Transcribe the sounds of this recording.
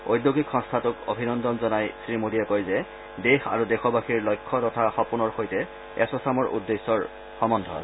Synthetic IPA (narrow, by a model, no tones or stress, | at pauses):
ojdjoɡikxɔŋstʰatʊko̰bʱinɔndɔnzɔnajsɹimodijakojzɛ | dexa̰ɹudɛxɔbaxiɹlojkʰːɔtɔtʰaxɔpunɔɹxojtɛ | ɛsɔsamɔɹʔṵdːesːɔɹ | xɔmɔndʱɔ̰a̰